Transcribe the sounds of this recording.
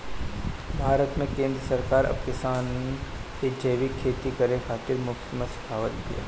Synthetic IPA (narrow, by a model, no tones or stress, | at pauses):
bʱaːɾət̪mẽkẽːnd̪ɾəsɐɾkaːɾɐ̰b̚kɪsaːnked͡ʒəjʋikʰːeːt̪ikəɾekʰaːt̪ɪɾmʊksɪməsɪ̥kʰaːʋənɡḭja̰ː